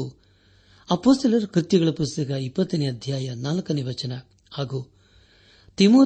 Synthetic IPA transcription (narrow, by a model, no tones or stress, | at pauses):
u | ɐpoːst̪ɐlɐɾkɾɨt̪jɐɡɐɭɐpust̪ɐɡɐipːɐt̪ːɐneɐd̪ʱjaːjɐnaːlɐkɐniʋɐt͡ʃɐnɐ | haːɡuː | t̪imoː